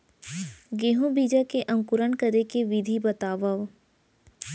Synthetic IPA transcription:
ɡeːɦõbiːd͡ʒakeʔɐ̃ŋkʊɾənkəɾekeʋɪd̪ʱibɐt̪aːʋəʋ

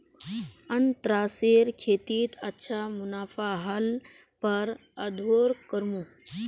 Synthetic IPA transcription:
ənt̪ɾaːseːɾkʰeːt̪iːt̪ɐtːʃʰamunaːfaɦəl | pəɾ | əd̪ʱoːɾkəɾmu

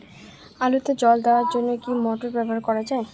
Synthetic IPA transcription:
alut̪ed͡ʑɔld̪eoaɾd͡ʑonːokimɔʈoɾbɛbʱoɦaɾkɔɾad͡ʑae

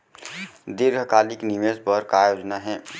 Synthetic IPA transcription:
d̪ɪɾɡʱkaːliknimesbɔɾkaːjoːd͡ʒnaɦɛ̃ː

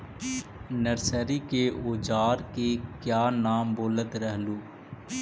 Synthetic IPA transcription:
nəɾsəɾikeoːd͡ʒaːɾkekjaːnaːmboːlət̪ɾəɦluː

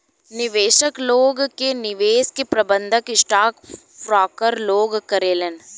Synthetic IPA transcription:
nɪʋeːʃəkloːɡkenɪʋeːskepɾɐbə̃nd̪ʱəkɪsʈaːk | fɾaːkəɾloːɡkɐɾeːlen

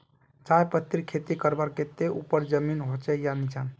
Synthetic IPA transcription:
t͡ʃajpət̪ːiɾkʰet̪ikəɾbaɾket̪eʔupəɾd͡ʒəminɦot͡ʃɛjanit͡ʃan

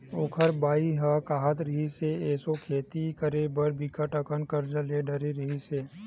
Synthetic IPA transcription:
oːkʰəɾbaːiɦakaːɦət̪ɾəɦiseɛːsokʰeːt̪ikəɾebəɾbʱikəʈəkənkəɾd͡ʒəleɖɐɾeɾɐɦiseː

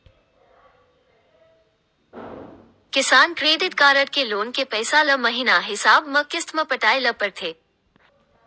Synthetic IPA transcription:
kɪsaːnkɾeːd̪ɪt̪̚kaːɾəʈkeloːnkepɛːsalɐmɐɦɪnaɦɪsaːbmɐkɪst̪ʰməpɐʈaːelɐpəɾt̪ʰeː

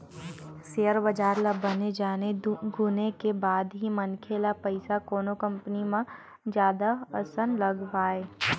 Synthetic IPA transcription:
sejəɾbɐd͡ʒaːɾlabɐned͡ʒaːneɡʱʊnekebaːd̪ɦimɐnkʰeːlapəɪsakoːnokɐ̃mpnimã | d͡ʒjaːd̪aɐsənlɐɡʋaːeː

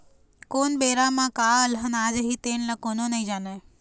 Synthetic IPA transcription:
koːnɓeːɾamãkalɦənad͡ʒəɦit̪eːnlakoːnonəĩd͡ʒaːne

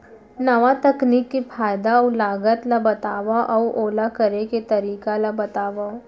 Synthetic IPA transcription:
nɐʋat̪ɐkniːkːifaːjd̪aɔlaːɡət̪labɐt̪aːʋaʔɔwʔoːlakɐɾeket̪ɐɾiːkalabɐt̪aːʋa

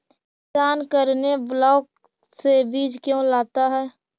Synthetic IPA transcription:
taːnkəɾneblɔːk̚ | sebiːd͡ʒkjõːlaːt̪aɦɛː

